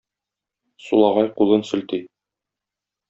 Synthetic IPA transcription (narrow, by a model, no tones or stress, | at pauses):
sulˠɑʁɑjqulˠɤnsɵ̆lt̪ij